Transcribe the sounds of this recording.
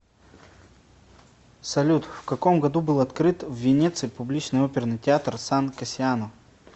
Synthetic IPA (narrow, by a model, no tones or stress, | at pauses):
sɐlʲut̪fkɐkomɡɐd̪ubɨlˠɐt̪kɾɨt̪vːʲɪnʲet̪sɨjpʊblʲit͡ɕnɨjopʲɪrnɨjtʲɪat̪rsankɐsʲɪanof